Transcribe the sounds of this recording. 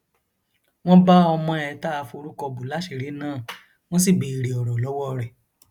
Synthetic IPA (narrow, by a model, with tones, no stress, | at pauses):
w̃ɔ̃˦ba˦ɔ˧mɔ̃˧ɛ˧ta˦˧fo˧ɾu˦kɔ˧bu˨la˨˦ʃe˨ɾe˨˦nãː˦˨ | w̃ɔ̃˦s̬i˦˨bi˨i˨ɾe˨ɔ˨ɾɔ˨lɔ˨˦wɔ˦˧ɾɛ˨